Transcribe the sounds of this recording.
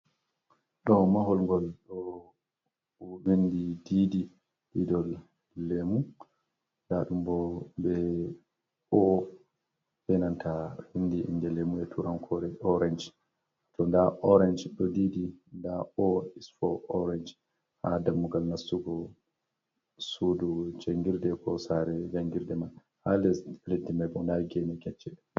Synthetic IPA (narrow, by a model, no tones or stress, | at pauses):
ɗɔmaɦɔlŋɡɔlɗɔ | bindidiːdi | ɗidɔlː | emu | daɗumbɔbɛ | ɔ | hɛnantʰahindiʔḭndɛlemuɛtʰuɾamkʰɔɾɛʔɔɾand͡ʒ | tɔndaʔɔɾɛnd͡ʒɗɔdidindaɔisfɔɔɾɛnd͡ʒ | ha̰damːuɡalnasːuɡɔ | sudud͡ʒeŋɡiɾdɛkʰɔsaɾɛd͡ʒaŋɡiɾdɛman | halɛsledːimajɓɔndaɡɛnɛkɛt͡ʃːɛ